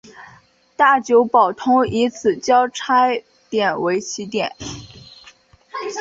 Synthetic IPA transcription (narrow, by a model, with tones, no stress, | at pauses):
t̪a˥˩t͡ɕjo˧˥ʊpɑ˨˩ʊt̪ʰʊ˥ŋi˧˥t͡sʰɹ̩˨˩t͡ɕjɑ˥ʊʈ͡ʂʰa˥ɪ | t̪jɛ˨˩nwe˧˥ɪt͡ɕʰi˧˥t̪jɛ˨˩˦n